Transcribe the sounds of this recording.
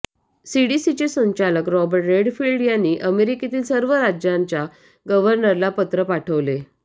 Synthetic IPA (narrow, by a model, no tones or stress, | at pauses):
siɽisit͡ɕesə̃ɲt͡ɕaləkɾɔbəɾʈɾeɖfiɭɖjanːiːʔəmeɾiket̪iːlsəɾʋəɾad͡ʑjãɲt͡ɕja | ɡəʋəɾnəɾlapət̪ɾəpaʈʰəʋle